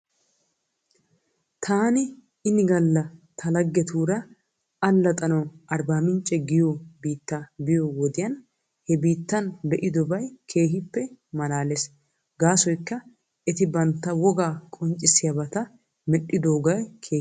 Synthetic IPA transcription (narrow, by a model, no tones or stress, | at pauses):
t̪ʰaːnɪ | ɪnɪɡɐlːɐt̪ʰɐlɐɡːɛt̪ʰuːɾɐː | lːɐt̪ʼɐnɐwɐɾbaːmɪnt͡ʃʼːɛɡɪjoːbiːt̪ːabɪjowɔd̪ɪjɐn | hɛbiːt̪ːɐnbɛʔɪd̪ɔbɐjkʰe̞ːɦɪpːɛmɐlaːles | ɡaːsɔjkːɐ | ɛt̪ɪbɐnt̪ːɐwɔɡaːkʼɔnt͡ʃʼːɪsɪjɐbɐt̪ɐ | mɛɗːɪd̪oːɡɐjkʰeː